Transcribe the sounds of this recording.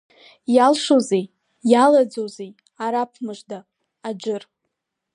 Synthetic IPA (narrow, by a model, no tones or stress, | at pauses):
jalʂozej | jalad͡zozej | aɾapʰmɨʐdaː | d͡ʒɪr